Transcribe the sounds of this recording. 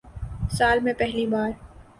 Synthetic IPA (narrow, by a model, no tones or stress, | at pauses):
saːlmẽpɛɦlibaːɾ